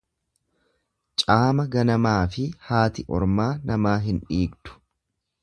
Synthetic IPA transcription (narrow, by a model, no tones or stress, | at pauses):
t͡ʃʼaːmɐɡɐnɐmaːfɪhaːt̪ɪʔɔ̰ɾmaːnɐmaːɦɪnᶑiːɡd̪̥ʊ̥